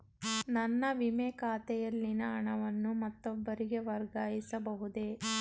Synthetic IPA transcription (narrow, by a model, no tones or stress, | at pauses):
nɐnːɐʋimɛkaːt̪ɛjɐlːinɐːɳɐʋɐnːumɐt̪ːɔbːɐɾiɡe̞ʋɐɾɡaːjisɐbɐɦud̪e̞